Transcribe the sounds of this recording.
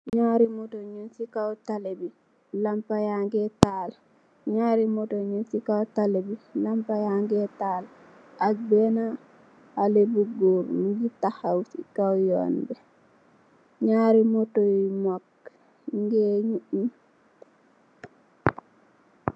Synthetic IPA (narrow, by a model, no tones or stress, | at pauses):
ɲaːɾimotoɲunsikawtalebi | lampajaŋɡetal | ɲaːɾimotoɲunsikawtalebilampajaŋɡetaːl | akbena | alebuɡuɾmiɡitahawsikawjo̰ːnbe | ɲaːɾimotomak̚ | ŋɡeɲuʔni